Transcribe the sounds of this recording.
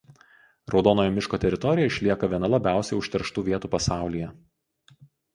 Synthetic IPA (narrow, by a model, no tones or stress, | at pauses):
ɾɒʊd̪ɔːnoːjoːmʲɪʃkoːt̪ʲɛɾʲɪt̪ɔɾʲɪjɛɪʃʲlʲiɛkɐʋʲiɛnɐlˠɐbʲæˑʊsʲɛɪʊʃʲt̪ʲɛɾʃt̪uːʋʲiɛt̪uːpɐsɑˑʊlʲijɛ